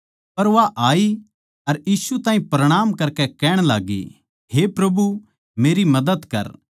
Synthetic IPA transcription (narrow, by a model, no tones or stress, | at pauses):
pɐɾʋaʔaːi | ɐɾjiːsut̪ãːɦĩpɾɐɽ̃aːmkɐɾkɛkɛːɽ̃la̰ːɡḭ | hepɾɐbu | meːɾimɐd̪əd̪kɐ̰ɾ